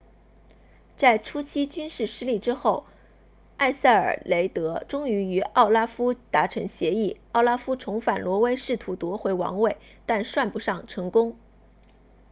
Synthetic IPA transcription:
t͡sa˥˩ɪʈ͡ʂʰu˥t͡ɕʰi˥t͡ɕy˥nʂɻ̩˥˩ʂɻ̩˥li˥˩ʈ͡ʂɻ̩˥xo˥˩ʊ | a˥˧ɪsa˥˩ɪə̰˞˨˩le˧˥ɪt̪ɤ˧˥ʈ͡ʂʊ˥ŋy˧˥y˧˥ɑ˥˩ʊla˥fu˥t̪a˧˥ʈ͡ʂʰɤ˧˥ŋɕjɛ˧˥i˥˩ɑ˥˩ʊla˥fu˥ʈ͡ʂʰʊ˧˥ŋfa˨˩nlwɔ˧˥we˥ɪʂɻ̩˥˩t̪ʰu˧˥t̪wɔ˧˥xwe˧˥ɪwɑ̰˧˥ŋwe˥˩ɪ | t̪a˥˧nʂwa˥˩npu˧˥ʂɑ˥˩ŋʈ͡ʂʰɤ˧˥ŋkʊ˥ŋ

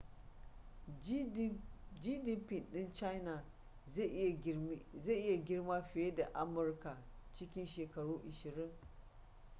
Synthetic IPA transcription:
d͡ʒiː˦dɪ˦mpɪ˨nɗɪ˦nt͡ʃa˦jna˨˦ | ze˦˨ʔɪ˦ja˨ɡʲɪ˦ɽma˦ɸɪ˨je˦da˨ʔa˦mʊ˨rka˨t͡ʃɪ˦kʲɪ˦nʃeː˨kɐ˨ɽuː˦ʔɪ˨ʃɪ˨ɾɪ˦ŋ

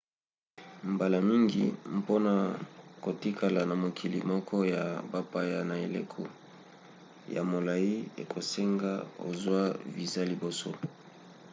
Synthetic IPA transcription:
mba˨la˨mi˦ŋɡḭ˨mpo˦na˨ko˨ti˦kʰa˨la˨na˨mo˨kʰi˨li˨mɔ˦kʰɔ˦ja˨ba˦pa˦ja˨na˨e˨lḛ˦kʰo˦ | ja̰˨mo˨la˨ji˦ḛ˨kʰo˨se˦ŋɡa̰˦o̰˨zwa˦vi˨za˦li˨bo˨so̰˦

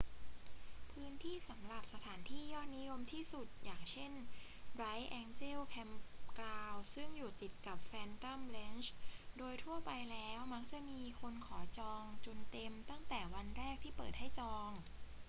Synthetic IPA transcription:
pʰɯː˦˥nt̪ʰiː˥˩sa˩˦mɾa˨˩p̚sa˧t̪ʰaː˩˦nt̪ʰiː˥˩jɔː˥˩t̪̚ni˦˥jo˧mt̪ʰiː˥˩su˨˩t̪̚jaː˨˩ŋt͡ɕʰe˥˩nɾa˦˥jʔɛː˧nt͡ɕe˥˩wkʰɛ˧mklaː˧wsɯ˥˩ŋjuː˨˩t̪i˨˩t̪̚ka˨˩p̚fɛː˧nka˥˩mle˦˥nt͡ɕdoː˧jt̪ʰu˥˩ɐpa˧jlɛː˦˥wma˦˥k̚t͡ɕa˨˩miː˧kʰo˧nkʰɔː˩˦t͡ɕɔː˧ŋt͡ɕo˨˩nt̪e˧mt̪a˥˩ŋt̪ɛː˨˩wa˧nɾɛː˥˩k̚t̪ʰiː˥˩pɤː˨˩t̪̚ha˥˩jt͡ɕɔː˧ŋ

